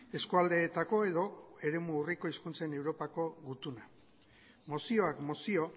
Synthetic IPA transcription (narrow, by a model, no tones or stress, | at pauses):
e̞skuald̪e̞ːt̪ako̞e̞ðo̞e̞ɾe̞muːriko̞iskunt͡se̞ne̞wɾo̞pako̞ɣut̪una | mo̞sio̞akmo̞sio̞